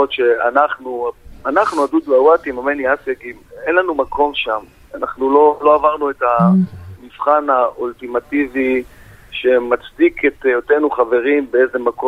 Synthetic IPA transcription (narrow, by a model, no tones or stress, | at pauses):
otʃe̞a̰naχnuanaχnuad̪ud̪awat̪imameniasaɡimenlanumakʰo̞mʃam | anaχnulo̞lo̞avaʁnue̞tamifχanaʔultimativiʃe̞mat͡sdikʰet̪jote̞nuχave̞ʁimbee̞ze̞mako